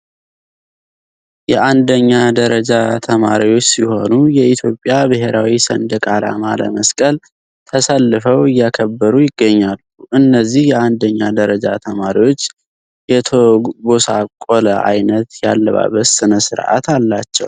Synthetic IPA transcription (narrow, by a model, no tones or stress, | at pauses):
jɛʔand̪əɲːad̪əɾəd͡ʒat̪ʰəma̰ɾiwo̞t͡ʃːsiho̞nujɛit̪ʰjo̞pʼːjabɨɦeɾawisə̰nd̪əkʼala̰malə̰məskʼəl | t̪ʰəsalːɨfəwɨjːakʰəbːəɾujɪɡːəɲːalːuʔɨnːəzːihjɛand̪əɲːad̪əɾəd͡ʒat̪ʰəmaɾiwo̞t͡ʃː | jɛt̪ʰoɡosakʼoləʔa̰jnət̪jalːəβa̰βət̪sɨnəsɨɾʔa̰t̪alːat͡ʃːɛ̰w